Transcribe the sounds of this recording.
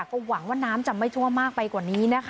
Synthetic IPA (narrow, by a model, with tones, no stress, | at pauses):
kːɔː˥˩wa˩˦ŋwaː˥˩naː˦˥mt͡ɕa˨˩ma˥˩jt̪ʰu˥˩əmaː˥˩k̚pa˧jkwaː˨˩niː˦˥na˦˥kʰ